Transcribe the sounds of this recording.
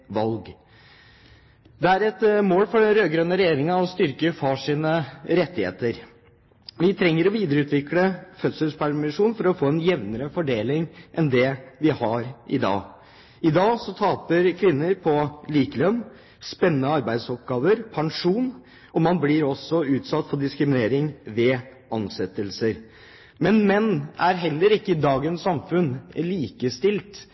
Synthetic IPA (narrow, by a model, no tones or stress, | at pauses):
ʋɑlɡ | d̪ɛæɾɛt̪moːlfɔɖɛnɾøːɡɾœnːəɾɛjeːɾɪŋɑɔst̪ʏɾkəfɑʂiːnəɾɛt̪ːɪhḛːt̪əɾ | ʋɪt̪ʰɾɛŋːəɾɔʋiːd̪əɾəʉːt̪ʋɪkləfœt̪səlspʰæɾmɪʂuːnfɔɾɔfoːɛnjɛʋnəɾəfɔɖeːlɪŋʔɛnd̪ɛʋɪhɑɾʔɪd̪ɑ̰ː | ɪd̪ɑːsɔt̪ʰɑːpəɾkʰʋɪnːəɾpʰɔliːkəlœm | spɛnːənəɑɾbæɪd̪sɔp̚ɡɑːʋəɾpʰɑŋʂuːn | ɔmɑnblɪɾɔsɔʉːt̪sɑt̪ːfɔɖɪskɾɪmɪneːɾɪŋʋɛː | ɑnsɛt̪ːəlsəɾ | mɛnmɛnːæɾɦɛlːəɾɪkːəɪd̪ɑːɡənsɑmfʉnliːkəst̪ɪlt̪